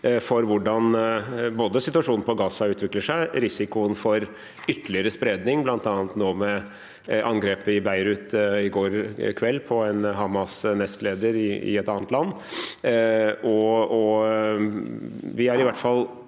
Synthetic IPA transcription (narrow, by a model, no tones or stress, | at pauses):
fɔɾʋʊɖɑnboːd̪əsɪt̪ʉɑʂuːnn̩əpʰɔɡɑːsɑʉːt̪ʋɪkləʂæɪɾɪsɪkʊənfɔɾ | ʏt̪ːəlɪəɾəspɾeːd̪nɪŋblɑnt̪ɑːnt̪noːmɛ | ʔɑŋɡɾeːpəɪbæɪɾʉt̪ɪɡoːɾkʰʋɛlːpʰɔɛnɦɑmɑsnɛst̪leːd̪əɾɪɪ̰ɛt̪ɑːnət̪lɑnː | ʔɔɔ | ʋɪhɑɾɪʋæʈfɑl